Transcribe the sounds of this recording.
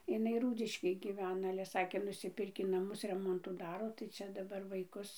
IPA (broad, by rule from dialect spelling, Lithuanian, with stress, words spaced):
ɪˈnɐɪ ˈruːdʲɪʃʲkʲeːj ɡʲɪˈʋʲæːnɐ ɐlʲɛ ˈsɑːkʲeː nʊsʲɪˈpʲɪrʲkʲiː nɐˈmʊs ˈrʲæːmoːntuː ˈdɑːroː tɐɪ ˈt͡ʃʲɛ dɐˈbɐr ʋɐɪˈkʊs